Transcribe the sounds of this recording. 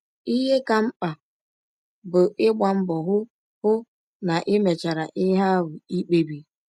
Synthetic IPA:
i˦ɦe˦ka˨m̩˦k͡pa˨ | bʊ˨ʔɪ˦ɡ͡ba˨m̩˦bɔ˨ɦʊ˦ | hʊ˦ | na˨ʔɪ˦me˨t͡ʃa˨ɾa˨ʔɪ˦ɦa˦ɾʊ˨i˦k͡pe˨bi˨

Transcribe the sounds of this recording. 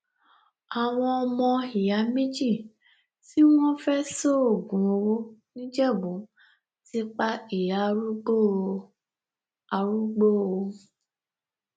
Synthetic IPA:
a˨w̃ɔ̃˧ɔ˧mɔ̃˧i˨ja˨˦mĩ˦d͡ʒi˦˨ | ti˦w̃ɔ̃˦fɛ˦so˦o˦˨ɡũ˨o˧wo˦nĩ˦d͡ʒɛ˦˨bũ˨˦ | ti˦k͡pa˦i˨ja˨˦ɾu˦ɡ͡bo˦˨ | a˧ɾu˦ɡ͡bo˦˨o˧

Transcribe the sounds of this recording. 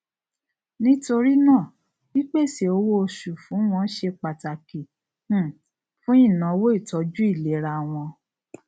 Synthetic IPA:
nĩ˦to˧ɾi˦nãː˦˨ | wi˦k͡pe˦˨si˨o˧wo˦o˧ʃu˨fũ˨˦w̃ɔ̃˧˦ʃe˧k͡pa˨ta˨ki˨˦˨ | fũ˦ĩ˦˨nã˨˧wo˦i˦˨tɔ˨˦d͡ʒu˦i˦˨le˨˦ɾa˧w̃ɔ̃˧

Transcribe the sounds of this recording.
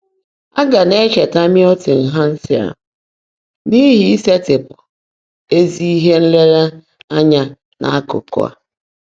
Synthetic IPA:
a˦ɡa˨ne˦t͡ʃe˨ta˦mɪ˦ɔ˦tɪ˨ŋ̩˨ɦa˦n̩˦sɪ˦a̰˨ | ni˦ɦi˨i˦se˦tɪ˨pʊ˨ | e˦zi˦i˦ɦe˦n̩˦le˦ɾe˦ | a˦ɲa˦ | nʔa̰˨a˦kʊ̰˨kʊ̰˦a̰˨

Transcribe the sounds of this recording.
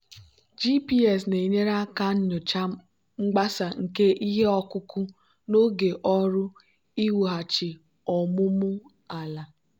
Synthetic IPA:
d͡ʒi˦pi˦ɛ˨sne˨ɲe˦ɾa˦ka˦n̩˦ɲʊ˨t͡ʃa˦ | ŋ͡m̩˦ɡ͡ba˦sa˨ŋ̩˨ke˦ʔi˦ɦe˦ɔ˦kʊ˦kʊ˦ | no˦ɡe˨ʔɔ˦ɾʊ˦ | i˦wu˨ɦa˨t͡ʃɪ˨ | ɔ˨mʊ˦mʊ˦ | a˨la˨

